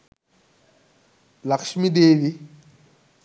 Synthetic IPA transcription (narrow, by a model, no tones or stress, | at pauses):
lɐkʃmid̪eːdi